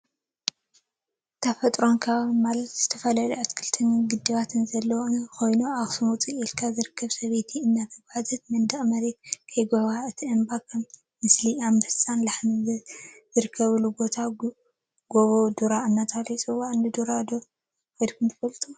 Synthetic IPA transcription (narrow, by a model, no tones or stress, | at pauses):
t̪ʰafɐt̪ʼɾo̞nkʰaβmalɐt̪z̥ɨt̪ʰɐfɐlaluʔat̪kʰɨlt̪ʰɨnɡɨd̪ɨβat̪ʰɨnzɐlːɐwoɨnko̞jnuaβsɨmut͡sʼielkʰazɨɾɨkʰːɐβsɐβet̪ʰiɨnːat̪ʰɐɡaħzɐt̪mɐnd̪ɐʔʼmɐɾeɡkʰɐjɡoβaɨt̪ʰiʔɨnbakʰɐ | mɨsliamdɐst͡sʼanlaħnizzɨɾɨkʰːɐβɨlubo̞t̪ʰa | ɡoβod̪uɾaɨnːat̪ʰalit͡sʼɨwːaʔɨnɨd̪uɾad̪o | kojd̪kʰunt̪ʰɨfɐlt̪ʰu